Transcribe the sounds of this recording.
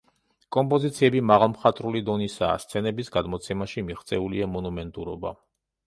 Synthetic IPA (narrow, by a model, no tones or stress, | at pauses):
kʼɔmpʼɔzit̪sʰiɛbimaʁalˠmχat̪ʼɾulid̪ɔnisa̰ːst̪sʰɛnɛbisɡad̪mɔt̪sʰɛmaʃimiχt̪sʼɛuliamɔnumɛnt̪ʼuɾɔba̰